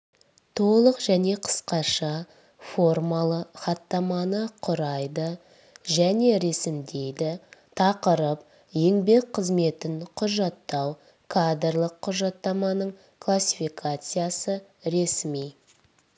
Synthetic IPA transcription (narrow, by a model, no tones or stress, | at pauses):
t̪ʰo̞lˠəqʒ̥æne̞qʰə̥sqɑʃɑ | fo̞rmalˠəχɑt̪ːɑmɑnəqʰʊɾɑjd̪ə | ʒæne̞ɾe̞sɪmd̪e̞jd̪ɪt̪ʰɑqəɾəp̚ | je̞ŋbe̞k̚qʰəzme̞t̪ɪɴqʰʊʒɑt̪ːɑw | kʰad̪rlˠəqʰːʊʒɑt̪ːɑmɑnəɴ | kʰlˠasʲifikʰat̪sɨjasə | ɾe̞smij